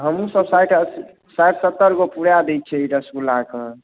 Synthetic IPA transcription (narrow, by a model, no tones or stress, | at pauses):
ɦəmusəbsajʈə | sajʈsət̪ːəɾɡopuɽjad̪ɛt͡ʃʰɛiɖəskulakə